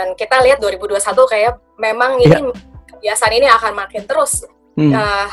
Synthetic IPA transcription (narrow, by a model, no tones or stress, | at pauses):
ankit̪aliat̪̚duaɾibuduasat̪ukaja | memaŋinibiasaniniakanmakɪnt̪əɾʊs | ə